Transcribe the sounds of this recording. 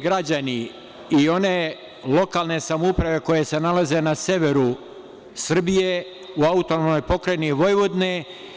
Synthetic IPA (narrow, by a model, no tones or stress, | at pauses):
ɡɾad͡ʑani | io̞ne̞ | lo̞kaːlˠne̞samoupɾaʋe̞ko̞je̞se̞nalaze̞nase̞ʋe̞ɾu | sr̩bije | uaut̪onomno̞jpo̞kɾeniʋo̞jʋod̪ne